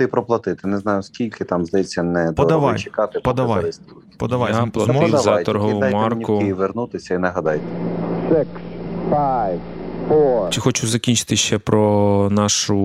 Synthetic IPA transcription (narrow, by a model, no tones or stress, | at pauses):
t̪ɪpɾɔplˠɐt̪ɪt̪ɪnɛznɑjʊskʲilʲkɪt̪ɑmzd̪ɐjɛt͡sʲːɐnɛd̪pɔɔɐʋɑjt͡ʃɪkɑt̪ɪppɔd̪ɐʋajɪst̪u̥ | pɔd̪ɐʋajpzmɔzajt̪ɔɾɦɔwjmɑrnʲikʊɪjiʋernut̪ɪsʲɐinɐɦɐd̪ɑjt̪ɛ̥sɛkspaj | pɔt͡ʃɪxɔt͡ʃʊzɐkʲinʲt͡ʃɪ̥t̪ɪʃt͡ʃɛpɾɔnɑʃʊ